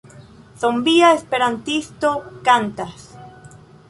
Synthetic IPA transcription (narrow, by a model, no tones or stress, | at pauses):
θombiaespeɾant̪ist̪okant̪as